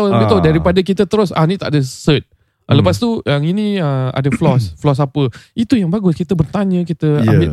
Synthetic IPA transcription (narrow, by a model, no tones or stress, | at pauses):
aamit̪odaɾipadakit̪ət̪əɾʊsa̰nit̪a̰ʔdəsət̪̚ | ləpast̪uaŋinĩəa̰dəflɔsflɔs̬apəit̪ujaŋbaɡʊskit̪əbərt̪aɲə̃kit̪əa̰mbɪ